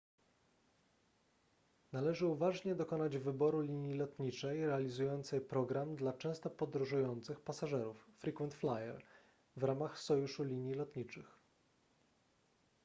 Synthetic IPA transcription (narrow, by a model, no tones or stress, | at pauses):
nalɛʐɘuvaʐɲɛd̪ɔkɔnad͡ʑvɘbɔɾulʲiɲjilɔt̪ɲit͡ʂɛjɾɛalʲizujɔnt̪sɛjpɾɔɡɾamd̪lat͡ʂɛ̃w̃st̪ɔpɔd̪ɾuʐujɔnt̪sɘxpasaʐɛɾufːɾʲikwɛnt̪flajɛ̰ɾ | vɾamaxsɔjuʂulʲiɲjilɔt̪ɲit͡ʂɘx